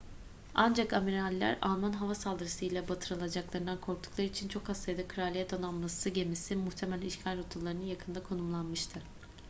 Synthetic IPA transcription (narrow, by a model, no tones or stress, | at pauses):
and͡ʒakamiɾalʲːæ̰ɾa̰lˠmanɦavasalˠd̪ɯɾasɯilʲɛbat̪ʰɯɾalˠad͡ʒaklˠaɾɯnd̪ankʰo̞ɾk̚t̪ʰu̥klˠaɾɯit͡ʃʰint͡ʃʰo̞kast̪ajd̪akʰɯɾaːlʲijɛt̪ʰananmˠasɯɟe̞misimuxt̪ʰemɛlʲiʃcʰalʲot̪ʰulˠːaɾɯnɯnjakʰɯnd̪akʰo̞numlˠanmɯʃt̪ʰɯ